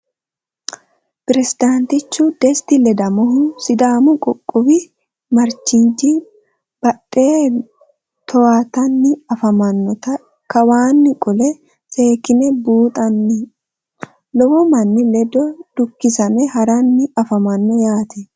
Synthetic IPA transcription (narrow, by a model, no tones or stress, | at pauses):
pɪɾɛsɪd̪ant̪ɪt͡ʃːʊd̪ɛst̪ɪlɛd̪ɐmɔɦʊsɪd̪aːmʊkʼɔkʼːʊbɪ | mɐɾt͡ʃːɪnd͡ʒi | b̥ɐɗːeː | t̪ʰɔwat̪ɐnːɪɐfɐmɐnːɔt̪ɐ | kɐwaːnːɪkʼɔlɛ | sʼeːkɪnɛbuːt̪ʼɐnːɪ | lɔwɔmɐnːɪlɛd̪ɔd̪̥ʊkːɪsɐnɛhɐɾɐnːɪɐfɐmɐnːɔjaːt̪ɛ